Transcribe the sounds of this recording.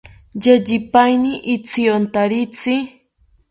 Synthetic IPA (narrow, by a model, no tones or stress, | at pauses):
ʎaʎɪpajniʔɪt͡siont̪aɾɪt͡sɪ